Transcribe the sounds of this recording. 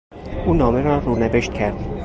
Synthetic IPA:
ʔuːnɒːmeɾɒːɾuːneveʃt̪̚cʰæɾd̪iː

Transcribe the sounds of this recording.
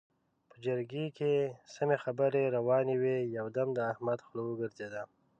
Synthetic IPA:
pəd͡ʒəɾɡekesamexabəɾeɾawɑnewejawd̪amd̪əahmad̪xlowəɡəɾzed̪a

